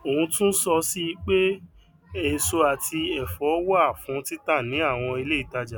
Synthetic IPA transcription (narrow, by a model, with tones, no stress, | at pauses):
o˨ũ˧tũ˦n̩˦sɔ˧si˦k͡pe˦ | e˨so˧a˨tʰi˧ɛ˨fɔ˨˦wɔ˦a˦˨fũ˨˧˦ti˦ta˦˨nĩ˨˦a˦˨w̃ɔ̃˧i˧le˦i˨˦ta˧d͡ʒa˨